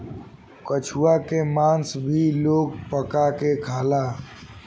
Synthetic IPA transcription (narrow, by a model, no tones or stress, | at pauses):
kət͡ʃʰuakemãːnsbʱiloːɡ̚pəkakekʰaːlaː